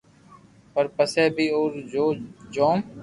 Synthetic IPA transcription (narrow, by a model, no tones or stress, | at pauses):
pəɾpəseːbʱiːoːɾd͡ʒoːd͡ʒoːm